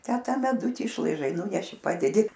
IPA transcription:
tʲæː ˈtɐ mʲɛˈdʊtʲɪ ɪʃlˠɐɪˈʒɐɪ ˈnuːnʲɛʃʲɪ ˈpɑːdʲɛdʲɪ

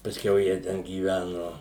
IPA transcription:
pɐsʲˈkʲɛʊ jiɛ ˈtʲɛn ɡʲiːˈʋʲænʊ

